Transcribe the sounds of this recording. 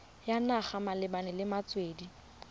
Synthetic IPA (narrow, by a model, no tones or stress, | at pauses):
janaχamalɪbanɪlɪmat͡sʼweːdi